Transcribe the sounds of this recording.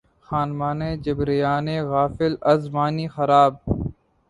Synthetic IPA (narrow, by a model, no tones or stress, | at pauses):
xaːnmaːneːd͡ʒəbɾijaːneːɣaːfɪlɐzmaːniːxɐɾaːb̚